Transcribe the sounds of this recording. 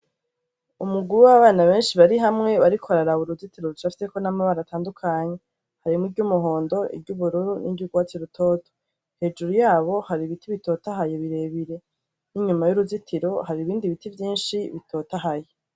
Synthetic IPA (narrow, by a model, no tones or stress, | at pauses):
umuɡuɾuwaβaːnaβe̞ːnʃiβaɾiɦamŋe̞βaɾikʰoaɾaɾaβuɾuzitiɾo̞ɾut͡ʃafi̥seko̞namaβaɾataːndukʰaɲe̞ | haɾimŋiɟumuɦo̞ːndo̞ḭbɟuβuɾuɾunʔḭɟuɡwaːt͡siɾutʰo̞ːto̥ | he̞ːd͡ʒuɾujaːβo̞haɾiβitʰiβito̞ːtaɦajeβiɾe̞ːβiɾe̞ | niɲumajuɾuzitʰiɾo̞haɾiβiːndiβitivjiːnʃiβitʰo̞ːtaɦaje